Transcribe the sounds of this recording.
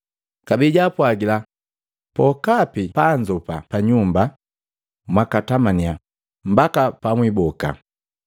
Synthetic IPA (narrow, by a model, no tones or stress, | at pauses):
kabiɟapwaɡila | pɔkapipaɲd͡ʒɔpapaɲumba | mwakatamania | m̩bakapamwibɔka̰